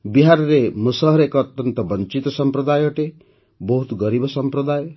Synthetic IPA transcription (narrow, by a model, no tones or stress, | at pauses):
biɦaɾɔɾemusɔɦɾekɔːt̪jɔnt̪ɔbɔnt͡ʃit̪ɔsɔmpɾɔd̪ajɔʈe | bɔɦut̪ɡɔɾibɔsɔmpɾɔd̪ajɔ